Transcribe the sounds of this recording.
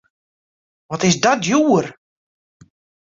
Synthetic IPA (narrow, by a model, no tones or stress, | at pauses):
ʋɔtɪsdɔt̚juːər